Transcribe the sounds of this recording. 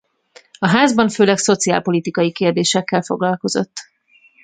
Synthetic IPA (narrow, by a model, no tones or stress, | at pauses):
ɒɦaːzbɒɱføːlɛkso̞t̪siaːlpo̞lit̪ikɒjikeːrd̪eːʃɛkːɛlfo̞̰ɡlɒlko̞zo̞̰t̪ː